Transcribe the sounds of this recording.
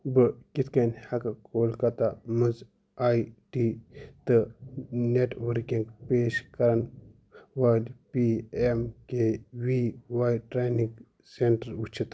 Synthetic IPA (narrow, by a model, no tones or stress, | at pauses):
bɨkit̪ʰkɐnhɐkakoːlkɐt̪amɐz | aːjʈiːt̪ɨneʈʋəɾkiŋɡpeːʃkɐɾɐn | ʋalpiemkeʋiʋaːjʈɾeniŋɡ | seɳʈəɾut͡ʃʰit̪